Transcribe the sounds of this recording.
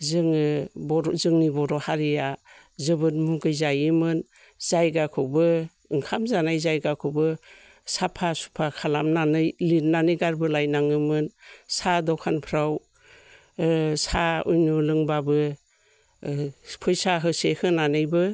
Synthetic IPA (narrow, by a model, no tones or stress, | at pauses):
zɯŋɯbɔɾzɯŋnibɔɾɔhaɾija | zɯbɯnmuɡɯjzajɯmɯn | zajɡakʰɯwbɯ | ɯŋkʰamzanajzajɡakʰɯwbɯ | sapʰasu̥pʰakʰalamnanɯjlinnanɯjɡaɾbɯlajnaŋɯmɯnsadɔkʰanpʰɾaw | saujnulɯŋbabɯ | pʰɔjsaɦɯsehɯnanɯjbɯ